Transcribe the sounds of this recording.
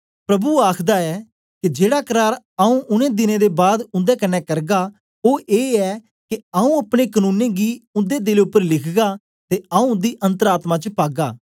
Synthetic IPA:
pɾəbuːaːkʰd̪aːɛː | kɪd͡ʒeːɽaːkəɾaːɾ | aũːʔʊnẽːd̪ɪnẽːd̪eːbaːd̪ʊ̃nd̪eːkənɛːkəɾɡaː | oːʔeːɛː | kɪaũːəpɽeːkənũːnẽːɡiːʊ̃nd̪eːd̪ɪleʊpːəɾlɪkʰɡaː | t̪eːaũːd̪iːʔə̃nt̪əɾaːt̪mãːt͡ʃəpaːɡaː

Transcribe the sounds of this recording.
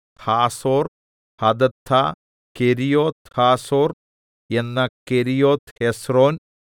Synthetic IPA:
t̪ʰaːsoːr | hɐd̪ɐt̪ʰːa | keɾijoːt̪haːsoːr | enːɐkeɾijoːt̪hesro̞ːn

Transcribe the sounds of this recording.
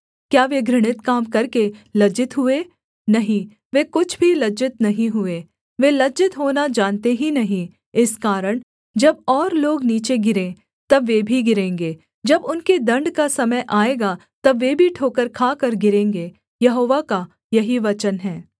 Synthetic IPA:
kjaːʋeɡɾɪɽ̃ɪt̪kaːmkɐɾkelɐd͡ʒɪt̪ɦʊe | nɐɦĩ | ʋekʊt͡ʃʰbʱilɐd͡ʒɪt̪nɐɦĩɦʊeː | ʋelɐd͡ʒɪt̪ɦoːnad͡ʒaːnt̪eɦinɐɦĩ | ɪskaːɾəɽ̃ | d͡ʒɐbɔːɾloːɡniːt͡ʃeɡɪɾẽː | t̪ɐbʋebʱiɡɪɾẽːŋɡeː | d͡ʒɐbʊnked̪ɐ̃ɳɖkasɐməjʔaːeːɡa | t̪ɐbʋeːbʱiʈʰoːkəɾkʰaːkəɾɡɪɾẽːŋɡeː | jɐɦoːʋaka | jɐɦiʋɐt͡ʃənɦɛː

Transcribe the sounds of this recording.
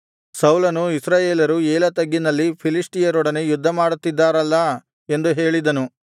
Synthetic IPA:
sɐwlɐnuisɾaːjeːlɐɾueːlɐt̪ɐɡːinɐlːipʰilisʈijɐɾɔɽɐnejud̪ʱːɐmaːɽut̪ːid̪ːaːɾɐlːɐ | e̞nd̪uɦeːɭid̪ɐnu

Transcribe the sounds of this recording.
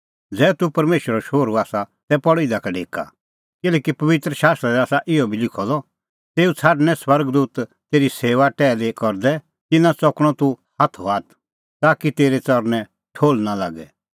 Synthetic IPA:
d͡zɛːt̪upɐɾmeːʃwəɾɔʃoːɾuaːsat̪ɛpɔɽɪd̪akaɖʱeːka̰ | kɪlɛːkipɐʋɪt̪ɾəʃaːst̪ɾɛɾaːsaʔɪjɔbʱilɪkʰɔlɔ | t̪eːut͡sʰaːɖnɛ̃swɐɾɡd̪uːt̪ | t̪eːɾiseːʋaʈɛːlekɔɾd̪ɛ | t̪ɪnãt͡sɔkɽ̃ɔt̪uhaːt̪ʰɔaːt̪̚ʰ | t̪aːkit̪eːɾet͡sɔɾnɛ | ʈʰoːlnala̰ːɡɛ̰

